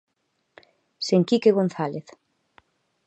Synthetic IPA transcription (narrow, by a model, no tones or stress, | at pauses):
seŋkikeɣonθaleθ